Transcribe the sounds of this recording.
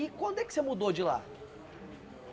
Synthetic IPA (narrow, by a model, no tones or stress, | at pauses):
ikwɐ̃nd̪ʊɛkɪ̥semud̪od͡ʒɪla̰